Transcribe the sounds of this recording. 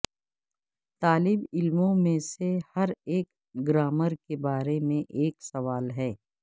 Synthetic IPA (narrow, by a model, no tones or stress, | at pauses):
t̪aːlɪbɪlmõmẽsehɐɾeːk | ɡɾaːməɾkebaːɾemẽʔeːksɐʋaːlɦɛː